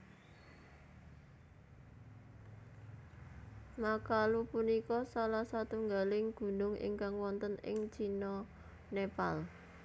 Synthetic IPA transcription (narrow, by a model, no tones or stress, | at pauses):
makalupunikɔsalahsat̪uŋɡalɪŋɡ̥ṳnʊŋɪ̰ŋkaŋwɔnt̪ənɪ̰ŋt͡ʃinɔ | nepal